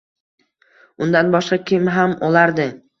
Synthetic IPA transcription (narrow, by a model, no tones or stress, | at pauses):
ʊnd̪anbɒʃqɑkʲɪmɦamɒlaɾd̪ɪ